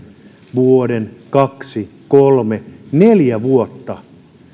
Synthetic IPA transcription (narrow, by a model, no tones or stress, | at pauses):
ʋuodenkɑksikolmeneljæʋuot̪ːɑ